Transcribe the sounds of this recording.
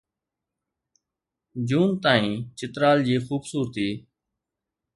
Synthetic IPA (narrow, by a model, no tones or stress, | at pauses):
d͡ʒuːnt̪aːĩːt͡ʃɪt̪ɾaːld͡ʑiːxuːbsuːɾət̪iː